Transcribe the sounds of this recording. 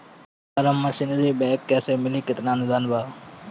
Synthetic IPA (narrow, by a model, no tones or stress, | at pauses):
əɾəmːə̃sɪnziːbeːkːɛːseːmɪliːkɪt̪naːnʊzaːnbaː